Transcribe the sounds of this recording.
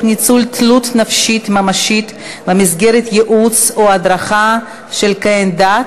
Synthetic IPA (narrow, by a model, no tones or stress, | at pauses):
nit͡sult̪ʰlut̪nafʃit̪mamaʃit̪ | bamizɡeʁet̪jeʔut͡soad̪ɾaχa | ʃelkaenda